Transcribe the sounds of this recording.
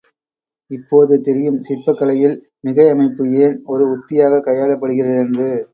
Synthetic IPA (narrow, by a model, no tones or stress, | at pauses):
ɪpːoːðɯt̪ɛɾɪjɯmsɪpːɐkːɐlɐjɪl | mɪɣɐɪɐmɐɪpːɯeːnɔɾɯʊt̪ːɪjaːɣɐkɐjaːlɐpːɐɽɯɣɪrɐðɛndrɯ